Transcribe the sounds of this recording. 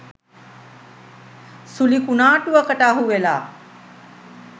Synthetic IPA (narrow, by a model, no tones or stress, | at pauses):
sulikunaːʈuʋəkəʈaːɦuʋela̰ː